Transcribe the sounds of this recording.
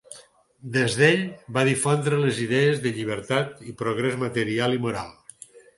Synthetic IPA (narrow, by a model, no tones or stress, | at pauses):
d̪ezðeʎbaðifond̪ɾəleziðɛezðəʎiβ̞əɾt̪at̪ipɾoɣɾezmət̪əɾialˠimuɾa̰lˠ